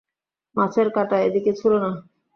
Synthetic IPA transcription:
mat͡ɕʰeɾkaʈaed̪iket͡ɕʰulona

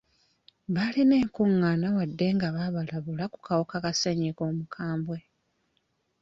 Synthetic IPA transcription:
βalineːŋkuŋːanawadːe̞ŋɡaβaβalaβulaku̥kawokakaseɲiko̞ːmukʰaːmbwe̞

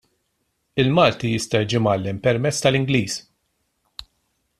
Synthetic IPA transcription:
ɪlmɐːlt̪ijɪst̪ɐjid͡ʒɪmɐlːɛmpɛɾmɛt͡sːt̪ɐlɪŋɡliːs

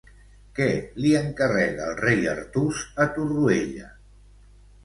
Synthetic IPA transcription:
kɛliəŋkərɛɣaːlˠrejə̰ɾt̪uzət̪urueʎə̰

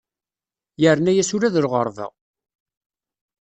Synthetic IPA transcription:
jəɾnæjæsʊɾæðəɾʁəɾˤðə̰ʁ

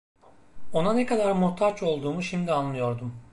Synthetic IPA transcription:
o̞nanekʰad̪aɾmuht̪ʰat͡ʃo̞lˠd̪uːmuʃimd̪ianlːˠɯjo̞ɾd̪um

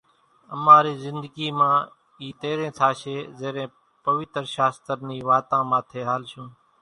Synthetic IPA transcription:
əmãːɾiːzɪnd̪əɡiːmãː | iːt̪eːɾẽːt̪ʰaːʃeːzeːɾẽː | pəʋɪt̪ɾʃaːst̪əɾniːʋaːt̪ãːmãːt̪ʰeːɦaːlʃũː

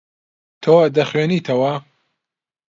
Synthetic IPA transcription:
t̪ʰoːd̪ɐχweːniːt̪ʰɐwɐ

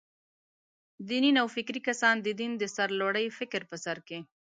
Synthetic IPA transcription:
d̪ininawfɪkɾikasɑnd̪əd̪ind̪əsaɾloɽəjfɪkɾpəsaɾke

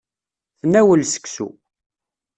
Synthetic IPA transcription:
θənːæwəlsə̥ksṵ

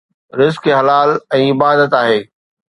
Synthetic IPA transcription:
ɾɪzkɦɐlaːlɛ̃ːɪbaːd̪ət̪aːɦeː

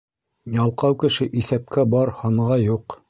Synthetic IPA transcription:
jɑlˠqɑwkɘ̆ʃɘʔiθæp̚kʰæbɑɾhɑɴʁɑjuq

